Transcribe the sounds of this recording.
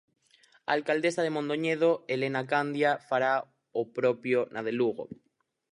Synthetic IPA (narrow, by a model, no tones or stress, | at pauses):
a̰lkald̪esað̞emõnd̪oɲeð̞oelenakand̪jafaɾa | opɾopjonʔaðeluɣ̞o̰